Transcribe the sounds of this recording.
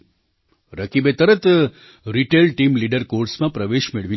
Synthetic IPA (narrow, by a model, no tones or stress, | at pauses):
ɾəkibet̪əɾət̪ | ɾiʈelʈimliɖəɾkoɾsmãpɾəʋeʃmeɭʋi